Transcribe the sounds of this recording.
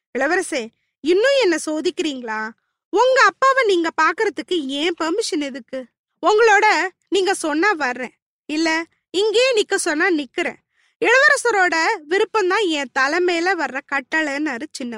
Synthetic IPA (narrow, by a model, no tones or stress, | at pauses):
ɪɭɐʋɐɾɐseː | ɪnːʊ̃ɛnːɐsoːðɪkːɪɾiːŋɡɐɭaː | ʊŋɡɐːpːaːʋɐ̃niːŋɡɐpaːɾkɯɾɐðɯkːɯẽːpɐɾmɪʂɐnɪðɯkːɯ | ʊŋɡɐɭoːɽɐ | niːŋɡɐsɔnːaʋɐɾːẽː | ɪlːɐ | ɪŋɡeeːnɪkːɐsɔnːaːnɪkːɯɾḛ̃ː | ɪɭɐʋɐɾɐsɐɾoːɽɐʋɪɾɯpːɐ̃nd̪ãːɛ̃ːt̪ɐlɐmeːlɐʋɐɾːɐkɐʈːɐɭɐnɐɾɯt͡ʃɪnːɐ